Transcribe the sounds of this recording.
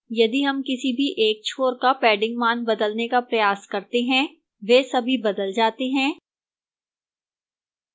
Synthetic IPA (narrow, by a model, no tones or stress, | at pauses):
jɐd̪iɦɐmkɪsibʱiʔeːk̚t͡ʃʰoːɾkapɛːɖɪ̃ŋɡmaːnbɐd̪əlnekapɾɐjaːskɐɾt̪eɦɛ̃ | ʋeːsɐbʱibɐd̪əld͡ʒaːt̪eɦɛ̃ː